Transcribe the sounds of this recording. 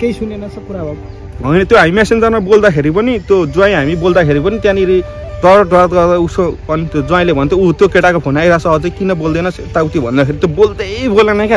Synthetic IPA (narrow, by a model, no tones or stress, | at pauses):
kejsunenʌsʰʌpuɾabʱa | ɦʌjnʌt̪joɦamimɛsend͡zanmʌbold̪akʰeɾipʌnit̪jod͡zuãĩɦamibold̪akʰeɾipʌnit̪jãniɾi | d̪ʌɾɖat̪ɡʌrd̪ausopʌnt̪jod͡zuãĩlebʱʌnt̪ʰjout̪jokeʈakopʰonajɾasʌʌd͡zʌkinʌbold̪ʌnʌst̪awt̪ibʱʌ̰nd̪akʰeɾit̪jobold̪ebolanʌ̃ka